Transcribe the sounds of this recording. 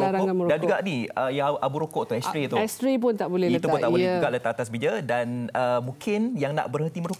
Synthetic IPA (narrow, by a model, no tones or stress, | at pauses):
aɾaŋaməɾodand͡ʒuɡaʔniəjaʔabuɾokoʔt̪ʊhɛst̪ɾet̪uɛst̪ɾep̬ʊnt̪aʔbolɛhiət̪up̪ʊnaʔbolɛhd͡ʒuɡaʔlət̪aʔat̪as̬bid͡ʒədanəmũkʰɪnjaŋna̰ʔbərhənt̪iməɾok